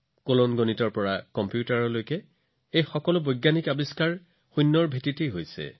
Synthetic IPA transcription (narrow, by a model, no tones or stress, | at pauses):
kolonɡonitɔɹpɔɹakɔmpjutaɹɔlojkɛ | ejxɔkɔlʊbojɡːanikabiskaɹ | xujnːɔɹbʱititiɦojsɛ̰